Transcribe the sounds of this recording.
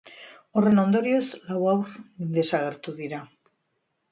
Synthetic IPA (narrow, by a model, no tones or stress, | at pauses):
ore̞nond̪oɾjozlawawɾðe̞saɣ̞e̞ɾt̪uðiɾa